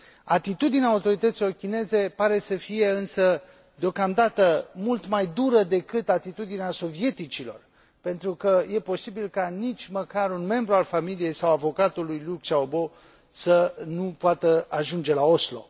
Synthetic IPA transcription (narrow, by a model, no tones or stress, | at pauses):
at̪it̪ud̪ineaut̪o̞ɾit̪ət̪silo̞rkʲine̞ze̞paɾe̞səfije̞ɨnsə | d̪eo̞kamd̪at̪əmult̪majd̪uɾəd̪e̞kɨt̪at̪it̪ud̪ineaso̞vie̞t̪it͡ʃilo̞̰r | pe̞nt̪ɾukəje̞po̞sibilkanit͡ʃʲməkaɾunme̞mbɾualfamilije̞jsawavo̞kat̪ulujluk̚t͡ʃaobo̞ | sənupoat̪əaʒund͡ʒe̞lao̞slo̞̰